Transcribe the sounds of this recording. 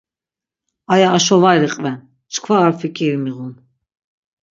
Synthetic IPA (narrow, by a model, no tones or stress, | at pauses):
ajaːʃɔvajɾiqʼvɛn | t͡ʃkʰvaːɾfikʰʼiɾmiʁun